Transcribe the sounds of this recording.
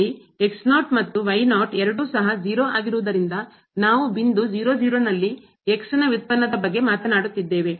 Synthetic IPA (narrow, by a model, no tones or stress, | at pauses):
i | eksnaːʈmɐt̪ːuʋɐjnaːʈɛɾɐɽuːsɐɦɐd͡ʒiːɾoːʔaːɡiɾuʋɐd̪ɐɾind̪ɐ | naːʋubind̪ud͡ʒiːɾoːd͡ʒiːɾoːnɐlːi | eksinɐʋit̪̚pɐnːɐd̪ɐbɐɡːe̞maːt̪ɐnaːɽut̪ːid̪ːe̞ːʋe̞